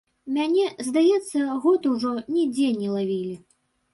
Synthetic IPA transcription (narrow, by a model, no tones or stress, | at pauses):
mʲanʲɛzd̪ajɛt̪sːɐɣɔt̪uwʐɔnʲɛd͡zʲɛnʲɛlˠavʲilʲi